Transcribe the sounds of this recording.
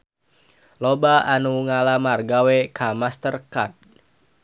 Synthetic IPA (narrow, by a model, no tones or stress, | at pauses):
lobaanuŋalamarɡawɛkamast̪ərkat̚